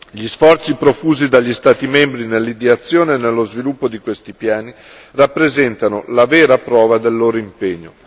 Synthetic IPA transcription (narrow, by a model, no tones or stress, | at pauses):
ʎisfɔrt̪sipɾofuːzid̪aʎːist̪aːt̪imembɾinelːid̪iat̪sːjoːnenelːozvilupːod̪ikwest̪ipjaːni | rapːɾezɛnt̪anolavɛːɾapɾɔːvad̪elːoːɾoimpeɲːo̰